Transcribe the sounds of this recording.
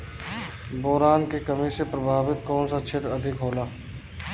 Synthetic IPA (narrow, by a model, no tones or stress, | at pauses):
bɔɦɾaːnkekɐmisepɾɐbʱaːʋɪt̪̚kɔːnsat͡ʃʰet̪ɾɐd̪ʱɪkɦoːlaː